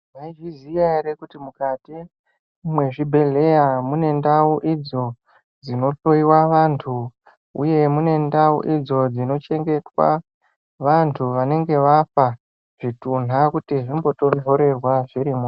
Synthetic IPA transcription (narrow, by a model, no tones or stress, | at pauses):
maiʐizijaɾekutimukati | mwe̞ʐibʱe̞le̞jamune̞ndauʔid͡zo̞ | d͡zino̞ɬo̞iwaʋantʰu | ṵje̞mune̞ndaṵʔid͡zo̞d͡zino̞t͡ʃe̞ŋɡe̞twa̰ | ʋantʰuʋane̞ŋɡe̞ʋafa | ʐ̥itun̤akutiʐimbo̞to̞ndʱo̞ɾe̞rwaʐiɾimu